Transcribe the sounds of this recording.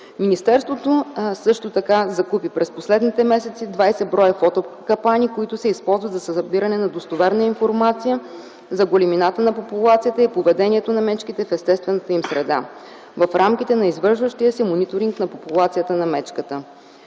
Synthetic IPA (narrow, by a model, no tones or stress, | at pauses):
minist̪ɛɾst̪vot̪osɤʃt̪ot̪ɐkazɐkupipɾɛsposlɛd̪nit̪ɛmɛsɛt̪sid̪vajsɛbɾɔjəfɔt̪okɐpanʲikoit̪ʊsɛispɔlˠzvɐt̪zɐsɐbiɾɐnɛnɐd̪ost̪ovɛɾnəinfoɾmat̪sijə | zɐɡoliminat̪ənɐpopulˠat̪sijət̪əipovɛd̪ɛniɛt̪onɐmɛt͡ʃkit̪ɛfɛst̪ɛst̪vɛnɐt̪əimsɾɛd̪a̰ | vɐfɾamkit̪ɛnɐizvɤɾʃvəʃt̪ijəsɛmonit̪oɾiŋknɐpopulˠat̪sijət̪ənɐmɛt͡ʃkət̪ə